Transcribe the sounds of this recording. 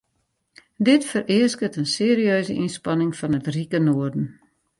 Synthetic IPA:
dɪtfərɪəskətənseəɾiøːzəʔinspɑnɪŋfɑnətrikənoərdən̩

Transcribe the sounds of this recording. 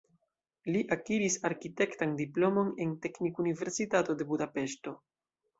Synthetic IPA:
liʔakiɾisaɾkite̞ktandiplo̞mo̞ne̞nte̞knikunive̞ɾsitato̞de̞budape̞ʃto̞

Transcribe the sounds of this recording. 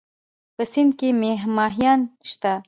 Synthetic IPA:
pəsɪnd̪̚kemeɦmɑɦjɑnʃt̪a

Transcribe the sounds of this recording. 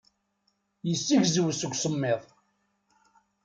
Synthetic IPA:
jəsːiʝzwsəɡʷsəmːeðˤ

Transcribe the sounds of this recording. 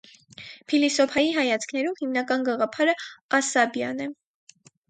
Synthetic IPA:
pʰilisɔpʰɑjiɦɑjɑt͡sʰkʰnɛɾumhimnɑkɑnɡɑʁɑpʰɑɾəɑsɑbjɑ̰nɛ

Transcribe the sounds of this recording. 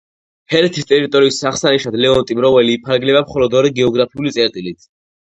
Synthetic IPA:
hɛɾɛt̪ʰist̪ʼɛɾit̪ʼɔɾiːsːaχsaniʃad̪lɛɔnt̪ʼimɾɔvɛliːpʰaɾɡlɛbamχɔlɔd̪ɔɾiɡɛɔɡɾapʰiulit̪sʼɛɾt̪ʼilit̪ʰ

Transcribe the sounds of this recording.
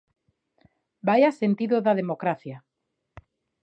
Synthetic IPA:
bajasent̪iðoðaðemokɾaθja

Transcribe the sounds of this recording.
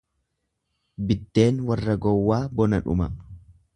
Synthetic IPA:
bɪt̪ːe̞ːnwɐrːɐɡɔwːaːbɔnɐᶑʊ̰mɐ

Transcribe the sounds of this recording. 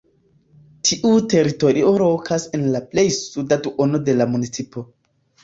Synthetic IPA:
tʰiʔute̞ɾito̞ɾioɾo̞kʰasenlaple̞jsudatuʔonode̞lamunit͡sipo̞

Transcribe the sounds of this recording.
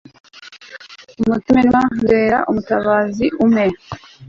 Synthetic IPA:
umutimenwandeːɾa̰ʔumutaβaːziʔume

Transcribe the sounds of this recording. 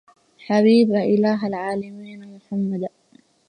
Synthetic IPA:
ħaβiːbaʔɪlaːɦalʕaːlamiːnmʊħamːad̪

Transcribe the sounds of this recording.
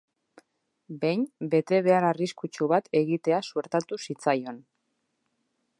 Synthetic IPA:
be̞jnbe̞t̪e̞β̞e̞aɾariskut͡ʃuβat̪e̞ɣit̪e̞asue̞ɾt̪at̪usit͡sajo̞n

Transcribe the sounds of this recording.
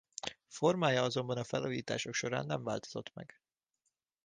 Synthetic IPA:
fo̞rmaːjɒɒzo̞mbɒnɒfɛ̰loːjiːt̪a̰ːʃo̞kʃo̞ɾa̰ːnːɛɱvaːlt̪o̞̥zo̞t̪mɛ̰ɡ̥

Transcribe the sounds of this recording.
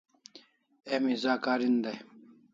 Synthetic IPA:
emizaːkaːɾind̪ɐj

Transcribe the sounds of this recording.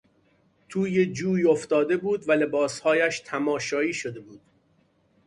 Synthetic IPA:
t̪ʰuːjed͡ʒuːjoft̪ɒːd̪e̞buːd̪væle̞bɒːshɒːjæʃt̪ʰæmɒːʃɒːiːʃod̪e̞buːd̪̥̚

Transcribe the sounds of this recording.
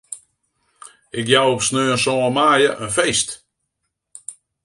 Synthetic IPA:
ɪkjawopsnøːəsɔːəmaːjəʔønfejst

